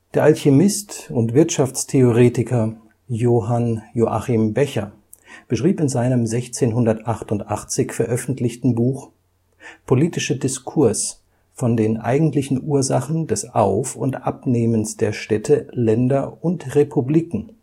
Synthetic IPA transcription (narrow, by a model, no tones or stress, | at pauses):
d̥eːɐʔalçemɪstʊntv̥ɪɐtʃaft͡stʰeoʁeːtɪkɐ | joːɦanjoʔa̰χɪmbɛçɐ | b̥əʃʁ̥iːpɪnzaɪnəmzɛçt͡seːnɦʊndɐtʔaχtʊntʔaχt͡sɪçfɛɐʔœfn̩tʰlɪçtn̩buːx | pʰoliːtɪʃədɪskʰʊɐs | fɔndeːnʔa̰ɪɡŋ̩tlɪçn̩ʔuːɐzaχn̩dɛsʔaʊfʊ̰ntʔapneːmənsd̥eːɐʃtɛtʰəlɛndɐʊntʁepʰubliːkŋ̩